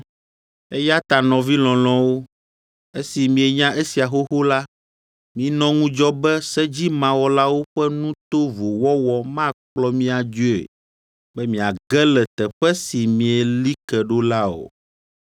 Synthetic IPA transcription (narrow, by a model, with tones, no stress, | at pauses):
e˦ja˦t̪a˨nɔ̃˨vi˦lɔ̃˨l̃ɔ̃˨wo˦ | e˦si˨mĩ˨e˨ɲã˦ʔe˦si˨a˨ɦo˦xo˦la˦ | mĩ˦nɔ̃˦ŋũ˦d͡ʒɔ˦bɛ˦sɛ˦d͡ʑi˦mã˨wɔ˦la˦wo˦ɸɛ˦nũ˦t̪o˦vo˨wɔ˦wɔ˦mã˦k͡plɔ˦mĩ˦a˨d͡ʒo˦ḛ˨ | bɛ˦mĩ˨a˨ɡɛ˦lɛ˨t̪ɛ˨ɸɛ˦si˨mĩ˨ɛ˨li˦kɛ˨ɖo˦la˦o̰˨